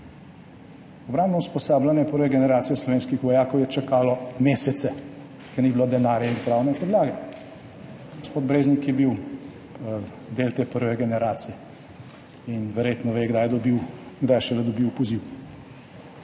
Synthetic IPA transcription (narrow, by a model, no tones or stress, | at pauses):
ɔbɾambnɔuspɔsaːblanjɛpəɾʋɛɡɛnɛɾaːt̪sijɔslɔʋeːnskixʋɔjaːkɔwjɛt͡ʃakaːlɔmeːsɛt̪sɛ | kɛnibilod̪ɛnaːɾjɛinpɾaːwnɛpɔd̪laːɡɛ | ɡospoːd̪bɾeːznikjɛbiw | d̪eːlt̪eːpəɾʋɛɡɛnɛɾaːt̪sijɛ | inʋɛɾjet̪nɔʋeːɡd̪ajɛd̪ɔbiwɡd̪ajʃɛd̪ɛd̪ɔbiwpɔziw